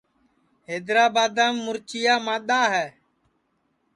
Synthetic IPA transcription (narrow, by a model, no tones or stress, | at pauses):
ɦeːd̪ɾaːbaːd̪ãːmːʊɾt͡ʃɪjaːmãːɗ̪aːɦɛː